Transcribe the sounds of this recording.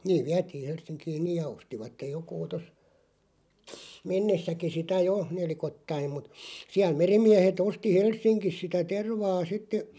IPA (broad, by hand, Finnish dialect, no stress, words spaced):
niːʋ̆ ʋiætiːh̆ helsˑiŋkiːn̆ niːj jɑ ostiʋɑtːej jokuː tos menːesːæki sitæ jo nelikotːɑim̆ mut siæl merimˑiæhet osti helsˑiŋkis sitæ terʋɑː sitːe